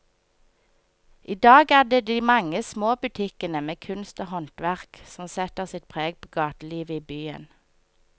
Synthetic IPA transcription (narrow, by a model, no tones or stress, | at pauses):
ʔiːd̪ɑːɡæːʁd̪eːd̪iːmɑŋəsmoːbʉt̪ʰɪkənəmeːkʰʉnst̪oːhɔnt̪ʋæʁksɔmsɛt̪əʁsɪt̪̚pʰʁeːɡ̚pʰoːɡɑːt̪əliːʋəiːbyːə̰n